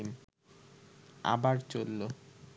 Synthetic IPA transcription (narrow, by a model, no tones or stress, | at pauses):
n | a̰baɾt͡ɕolːo